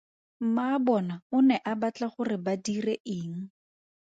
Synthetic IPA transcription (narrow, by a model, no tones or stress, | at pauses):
m̩maːbɔnaʊnɛʔabat͡ɬaχʊrɪbadireʔɪːŋ̩